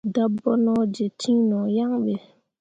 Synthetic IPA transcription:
da˦bɔ˦nɔ̃˦d͡ʒe˨t͡ʃĩ˦nɔ̃˨ja˦ŋɓe˨

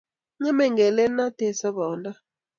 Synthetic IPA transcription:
ɲɛ˦mɛ˨ŋɡɛ˨lɛ˦na˦tɛ˨sa˦βɔː˨nda˦

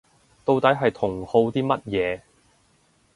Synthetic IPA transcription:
t̪o˧wt̪ɐ˨˥jɦɐ˨jt̪ʰʊ˨˩ŋho˧wt̪iː˥mɐ˥t̚jɛː˨˧

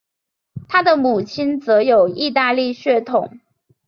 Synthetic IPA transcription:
t̪ʰa˥d̪ə˨mu˨˩t͡ɕʰi˥nt͡sɤ˧˥jo˨˩ʊi˥˧t̪a˥˧li˥˧ɕɥɛ˥˧t̪ʰʊ˨˩˦ŋ

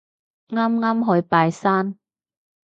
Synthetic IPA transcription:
ŋaː˥mŋaː˥mɦɔː˨˧˥jpaː˧jsaː˥n

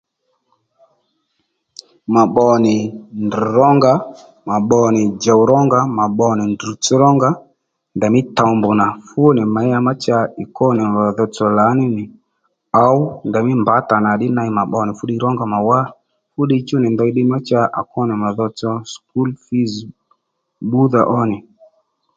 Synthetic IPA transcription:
ma˨ɓɔ˧nɪ˨ndi˨ɾɔ˦ŋɡa˦ | ma˨ɓɔ˧nɪ˨d͡ʒa˨wɾɔ˦ŋɡa˦ma˨ɓɔ˧nɪ˨ndu˨t͡sɔ˦ɾɔ˦ŋɡa˦ | nda˨mɪ˦ta˨mbʊ˨na˨fʊ˦nɪ˨ma˨˦ja˧ma˦t͡ʃa˧ɪ˨kɔ˦nɪ˨a˨ðɔ˧t͡sɔ˧la˨˦nɪ˦nɪ˨ | a˨˦wnda˨mɪ˦mba˨˦ta˨na˨ɗɪ˦na˧˦ma˨ɓɔ˧nɪ˨fʊ˦ɗi˧˦ɾɔ˦ŋɡa˨ma˨wa˦ | fʊ˦ɗi˧t͡ʃʊ˦nɪ˨ndɔ˧i˧˦ɗɪ˦ma˦t͡ʃa˧ʔa̰˨kɔ˦nɪ˨ma˨ðɔ˧t͡sɔ˧sku˦lfi˦z | ɓu˦ða̰˨ʔɔ˦nɪ˨

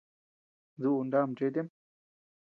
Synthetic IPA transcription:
zu˦u˨nd̪a˦˨md͡ʒe˦d̪e˦m

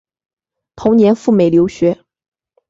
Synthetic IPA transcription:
t̪ʰʊ˧˥ŋnjɛ˧˥nfu˥˩me˨˩ɪljo˧˥ʊɕɥɛ˧˥

